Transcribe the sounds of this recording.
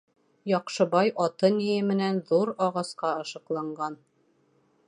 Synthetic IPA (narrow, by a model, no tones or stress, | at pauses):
jɒqʃɤ̆bɑjʔɒt̪ɤnijɘmɘ̆nænðuɾɒʁɑsqɑɤ̆ʃɤ̆qlˠɑɴɢɑn